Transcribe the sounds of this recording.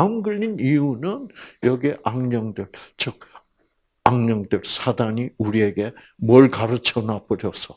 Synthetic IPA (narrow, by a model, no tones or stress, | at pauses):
amɡɯʎːiniunɯnjʌɡieʔaŋɲʌŋdɯɭt͡ɕʰʌk̚ | aŋɲʌŋdɯɭsʰadaɲiuɾie̞ɡe̞ | mwʌɭkaɾɯt͡ɕʰʌnap͈ɯɾjʌsʰʌ